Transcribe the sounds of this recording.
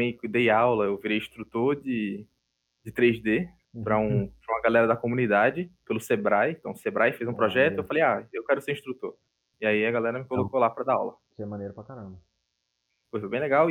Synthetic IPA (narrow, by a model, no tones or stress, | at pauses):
ẽj̃kud̪ejawlɐewviɾejĩʃt̪ɾut̪oɾd͡ʒɪ | d͡ʒɪt̪ɾejzd̪e | pɾɐũpɾɐũɐɡalɛɾɐd̪ɐkomũnid̪ad͡ʒɪpelʊsebɾaj̃t̪ɐ̃w̃sebɾajfezũpɾɔʒɛt̪ʊewfalejaewkɛɾʊseɾĩʃt̪ɾut̪oɾ | iaiɐɡalɛɾɐmɪkolokolapɾɐd̪aa̰wlɐ | sɛmɐ̃nejɾʊpɾakaɾɐ̃bɐ | pojfojbẽj̃lɛɡaw